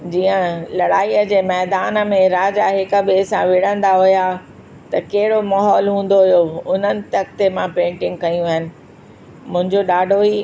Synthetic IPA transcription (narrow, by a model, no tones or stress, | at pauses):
d͡ʑiːə̃lɐɽaːiːəd͡ʑeːmɛːd̪aːn̆mẽɾaːd͡ʑaɦɪkəbeːsãʋɪɽ̤ə̃nd̪aɦʊja | t̪ɐkɐɦɪɽomɐɦɔːlɦũːn̆d̪oɦʊjoʊn̤ənɪ̆t̪ɐk̚ʰt̪emãpẽːɳʈɪ̃ŋɡ̚kɐjũɐɦɪnɪ̆ | mʊ̃ɦɪ̃ɲd͡ʑoɗaːɖʱoiː